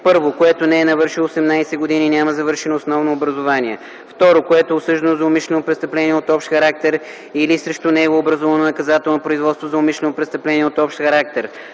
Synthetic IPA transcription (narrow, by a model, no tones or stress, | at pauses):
pɤɾvokoɛt̪onɛɛnɐvɤɾʃilˠoosɛmnajsɛɡod̪ininʲamɐzɐvɤɾʃɛnoːsnɔvnoːbɾɐzovaniɛ | ft̪ɔɾokoɛt̪oɛosɤʒd̪ɐnozɐomiʃlɛnopɾɛt̪st̪ɐplɛniɛot̪ɔpʃt̪xɐɾak̚t̪ɛɾ | ilisɾɛʃt̪ʊnɛɡoːbɾɐzɔvɐnonɐkɐzat̪ɛlˠnopɾʊizvɔt̪st̪vozɐomiʃlɛnopɾɛst̪ɐplɛniɛot̪ɔpʃt̪xɐɾak̚t̪ɛɾ